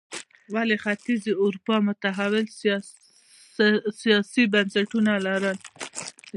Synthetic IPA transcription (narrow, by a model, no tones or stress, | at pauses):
walexat̪izeʊɾpɑmʊt̪aɦawɪl | sijɑsibansaʈunalaɾəl